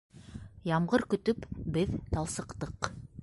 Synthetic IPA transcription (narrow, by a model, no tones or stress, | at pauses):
jɑmʁɤɾkɵ̆t̪ɵpbɘðt̪ɑlˠsɤ̆qt̪ɤq